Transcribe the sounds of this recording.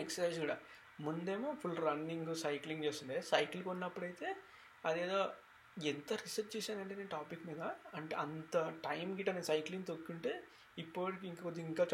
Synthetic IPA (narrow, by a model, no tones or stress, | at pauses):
eksɐɾsɐjzɡuːɽɐ | mund̪eːmoːpʰulɾɐnːiŋɡusɐjkliŋɡt͡ʃeːst̪und̪esɐjklukunːɐpːuɽɐjt̪e̞ː | ɐd̪eːd̪o̞ː | ent̪ɐɾisɐɾt͡ʃt͡ʃeːsaːnɐɳʈeneʈaːpikːmiːd̪ɐːɳʈeːɐnt̪ɐʈɐjmɡiʈːɐnesɐjkliŋɡt̪okːuɳʈe̞ː | ipːuʋɐɽikiiŋkːod̪iŋkaːt͡ʃ